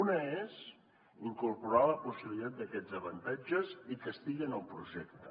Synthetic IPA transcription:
unəez | iŋkuɾpuɾaləpusiβlilit̪at̪̚d̪əkɛd͡zəβənt̪ad͡ʒəzikəst̪iɣinəlˠpɾuʒɛkt̪ə

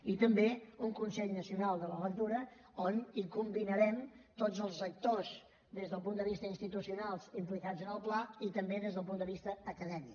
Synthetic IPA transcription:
it̪əmbeuŋkunsɛʎnəsiunalˠd̪ələlək̚t̪uɾə | onikumbinəɾɛmt̪od͡zəlˠzək̚t̪oz | d̪ezðəlˠp̬und̪əβist̪əinst̪it̪usiunalˠzimplikad͡zənəlˠplait̪əmbeðezðəlˠpund̪əβist̪əːkəðɛmik

